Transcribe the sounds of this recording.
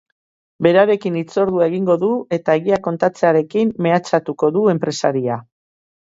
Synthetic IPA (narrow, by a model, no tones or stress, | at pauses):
be̞ɾaɾe̞kinit͡so̞ɾðuae̞ɣ̞iŋɡo̞ðue̞t̪ae̞ɣiako̞nt̪at͡se̞aɾe̞kimːe̞at͡sat̪uko̞ðue̞mpɾe̞saɾia